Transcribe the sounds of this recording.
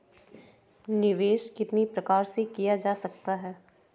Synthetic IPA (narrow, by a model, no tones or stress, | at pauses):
nɪʋeːʃkɪt̪nipɾɐkaːɾsekijad͡ʒaːsɐk̚t̪aɦɛː